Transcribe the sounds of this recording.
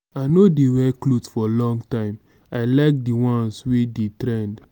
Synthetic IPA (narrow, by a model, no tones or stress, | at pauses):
aɪnodewɛklotfɔlɔ̃ŋɡtãɪ̃m | aɪlaɪk̚diwɔ̃nswedetɾɛ̃nd